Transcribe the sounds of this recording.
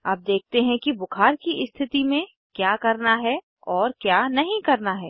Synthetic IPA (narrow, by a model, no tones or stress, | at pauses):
aːp̚d̪eːk̚ʰt̪eɦɛ̃kibʊkʰaːɾkiʔɪst̪ʰɪt̪imẽ | kjaːkɐɾnaɦɛ | ɔːɾkjaːnɐɦĩkɐɾnaɦɛː